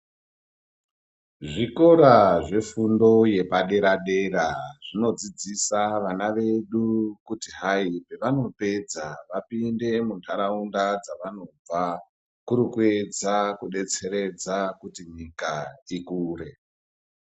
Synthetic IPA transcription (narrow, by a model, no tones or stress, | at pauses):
ʐiko̞ɾaʐe̞fundo̞je̞paɗe̞ɾaɗe̞raʐ̥ino̞d͡zid͡zisaʋanaʋe̞ɗukutiɦaipe̞ʋano̞pe̞d͡zaʋapinde̞muntʰaɾaundad͡zaʋano̞b͡va | kuɾikue̞d͡zakuɗe̞t͡se̞ɾe̞d͡zakutiɲikaikuːre̞